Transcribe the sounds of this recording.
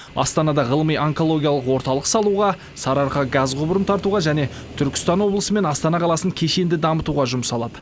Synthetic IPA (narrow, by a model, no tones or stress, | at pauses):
ɑ̰st̪ɑnɑd̪ɑʁəlˠəmijaŋko̞lˠo̞ɡʲijalˠəqwo̞ɾt̪ɑlˠəqsɑlˠuʁɑ | sɑɾɑɾqɑɡɑzqʰʊbəɾəmt̪ʰɑɾt̪uʁɑʒæne̞ | t̪ʰʏɾkʲɪ̥st̪ɑnwo̞blˠəsəme̞nɑst̪ɑnɑqʰɑlˠɑsəŋkʲʰe̞ʃe̞nd̪ɪd̪ɑmət̪uʁɑʒʊmsɑlˠɑd̪ə